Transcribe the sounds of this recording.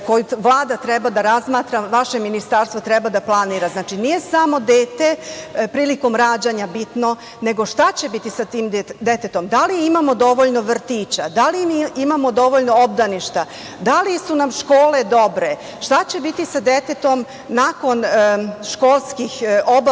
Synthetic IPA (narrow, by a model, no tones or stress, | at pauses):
ko̞juʋlˠaːd̪at̪ɾebad̪aɾazmaːt̪ɾaʋaʃe̞minist̪aɾst̪ʋot̪ɾɛbad̪aplˠaniːɾaznaːt͡ʃinije̞samo̞d̪eːt̪e̞pɾiːliko̞mɾaːd͡ʑaɲabit̪no̞ | ne̞ɡo̞ʃt̪at͡ɕe̞bit̪isat̪iːmd̪e̞t̪et̪o̞md̪aliimamo̞d̪o̞ʋoʎno̞ʋr̩t̪iːt͡ɕad̪alimimamo̞d̪o̞ʋoʎno̞ob̚d̪aniʃt̪a | d̪alisunamʃko̞ːle̞d̪o̞bɾe̞ | ʃt̪at͡ɕe̞bit̪isad̪e̞t̪e̞t̪o̞m | nako̞nʃkolˠskixob